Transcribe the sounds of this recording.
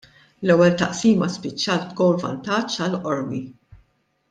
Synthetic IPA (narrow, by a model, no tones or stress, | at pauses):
lɛwːɛlt̪ɐʔsiːmɐspɪt͡ʃːɐːlt̪ɡɔwɾvɐ̰nt̪ɐt͡ʃːɐlʔɔɾmi